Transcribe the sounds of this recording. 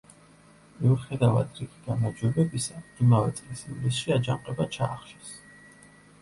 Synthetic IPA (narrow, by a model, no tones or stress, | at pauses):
miuχɛd̪ava̰d̪ɾiɡiɡ̥amaɾd͡ʒwɛbɛbisamɡimavɛt̪sʼlisivlisʃiad͡ʒamqʼɛbat͡ʃʰaːχʃɛ̥s